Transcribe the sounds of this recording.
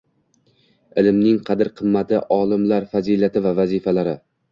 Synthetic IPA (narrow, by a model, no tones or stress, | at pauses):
ɪlɪmnɪŋqʰɑd̪ɪɾqʰɨmːat̪ʰɪʔɒːlˠɪmlaɾfazilat̪ʰɪvavazifalaɾɪ